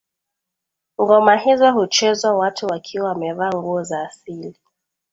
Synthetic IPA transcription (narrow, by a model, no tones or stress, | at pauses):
uɡɔmaɦizɔhut͡ʃɛzwawatʰuwakʰiwawamɛvaŋɡuɔzaːsili